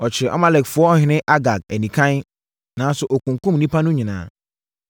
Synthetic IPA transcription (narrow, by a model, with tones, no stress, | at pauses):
ɔ˨t͡ɕʰɪ˨ɾʔɔ̰˦mã˦lɛ˨kfʊ˨ɔ˦ɔ˦hɪ̃˨˦nɪ̃˦ʔa˦ɡa˨ɡ̚ɛ˨nĩ˨kʰã˦n˦ | nãː˨˦sʊ˦ʔɔ˨kʊ̃˨ŋkʊ̃˦m˨nĩ˦pʰa˦nʊ̃˦ɲɪ̃˨nã̰ː˨